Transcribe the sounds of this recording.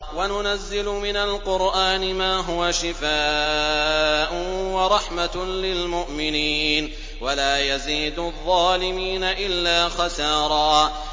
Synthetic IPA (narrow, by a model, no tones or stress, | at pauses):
wanʊnazːɪlʊmɪnalqʊɾʔaːnɪmaːɦʊwaʃɪfaː | ʔʊwɑɾˤɑħmalɪlmʊʔmɪniːn | walaːjaziːd̪ʊðˤːɑːlɪmiːnaʔɪlːaːxɑsɑːɾˤɑː